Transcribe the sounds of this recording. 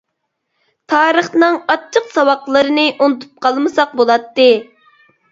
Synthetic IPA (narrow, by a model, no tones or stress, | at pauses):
t̪ʰɑːɾəχnɨŋɑt͡ʃʰːəqsɑwɑqlˠɨɾɨnɨʔonɨt̪ʰu̥p̚qʰɑlˠmɨsɑq̚bolˠɑt̪ːɨ